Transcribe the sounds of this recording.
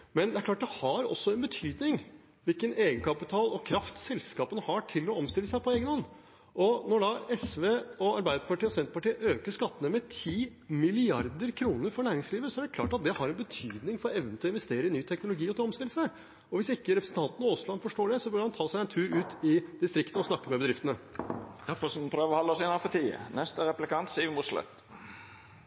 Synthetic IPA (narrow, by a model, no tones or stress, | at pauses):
mɛnd̪ɛæɾk̪ʰɑːʈ̚d̪ɛhɑɾɔ̰sːɔɛnbət̪ʰyːd̪nɪŋ | ʋɪlkəneːɡənkʰɑpɪt̪ʰɑːlɔkʰɾɑft̪sɛlskɑːpənəhɑʈʰɪlɔɔmst̪ɪlːəsæɪpʰɔeːɡənɔnː | ʔɔnɔɖɑɛsʋeːɔɑɾbæɪd̪əpʰɑʈiːɔsɛnt̪əpɑʈiːəʔøːkəʂkɑt̪ːənəmɛt̪ʰiːmɪlɪɑɾd̪əɾkʰɾuːnəɾfɔɳæːɾɪŋsliːʋəsɔæɖɛkʰlɑ̰ːʈɑt̪̚d̪ɛhɑɾɛnbət̪ʰyːd̪nɪŋfɔɾɔɛʋn̩t̪ʰɪɔɪnʋɛst̪eːɾəɪnyːt̪ʰɛknʊlʊɡiːɔt̪ʰɪlɔmst̪ɪləsə | ɔʋɪsɪkːəɾɛpɾəsn̩t̪ɑnt̪nɔoːslɑnfɔʂʈoːɖɛsɔbøːmɑnt̪ʰɑːsæɪɛnt̪ʰʉːɾʉːt̪ɪd̪ɪst̪ɾɪkt̪əəɔsnɑkːəmɛbəd̪ɾɪft̪ənəd̪̥æɾfɔsɔmpʰɾøːʋəʁɔhɑlːəɔsɪnhɑfɔt̪ʰiːə̰nɛst̪əɾɛplɪkɑnt̪siːʋɪmʊʂlɛ̰t̪ː